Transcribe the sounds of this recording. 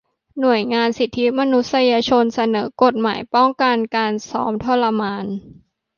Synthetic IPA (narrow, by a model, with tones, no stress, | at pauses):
nu˨˩əjŋaː˧nsi˨˩t̪ʰːi˦˥ma˧nu˦˥t̪̚sa˧jaː˧t͡ɕʰo˧nsa˧nɤː˩˦ko˨˩t̪̚ma̰ː˩˦jpɔ˥˩ŋka˧nkaː˧nsɔ̰ː˩˦˥mt̪ʰo˧˥˩la˧maː˧n